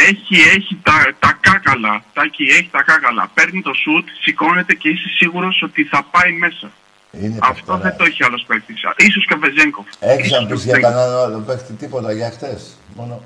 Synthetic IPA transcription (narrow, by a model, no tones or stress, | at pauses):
e̞çie̞çit̪ɐt̪ɐkɐkɐlɐt̪ɐcie̞çit̪ɐkɐkɐlɐ̰pe̞ɾnit̪o̞sut̪siko̞ne̞t̪e̞ce̞isesiɣuɾo̞so̞t̪iθɐpɐime̞sɐ | inɐft̪o̞ðet̪oeçiɐlo̞spektisis̬o̞skɐveze̞ŋko̞feçisoaspɐissʝeŋkɐnanoðepekt̪it̪ipot̪ɐʝɐxθes | mono